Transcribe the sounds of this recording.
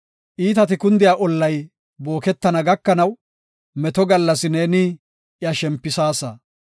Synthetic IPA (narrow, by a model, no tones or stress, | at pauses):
ʔiːt̪ɐt̪ɪkʊnd̪ɪjaːʔɔlːɐj | bo̞ːkɛt̪ːɐnɐɡɐkːɐnɐw | mɛt̪ɔɡɐlːɐsɪneːnɪ | jɐʃɛmpːɪsaːsɐ